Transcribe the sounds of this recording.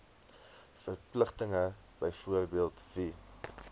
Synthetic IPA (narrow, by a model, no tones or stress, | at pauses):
fərpləχtəŋə | b̥əjfuərbiəlˠtvi